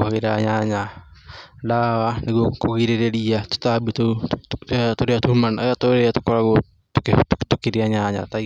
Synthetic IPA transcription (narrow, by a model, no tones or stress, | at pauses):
aɣeɾaɲaɲa | dawaneɡuokoɡiɾeɾeɾiat̪o̥t̪abit̪ott̪oɾeat̪umanajat̪oɾeat̪okoɾaɡo | t̪ktt̪okiɾeaɲaɲa̰t̪a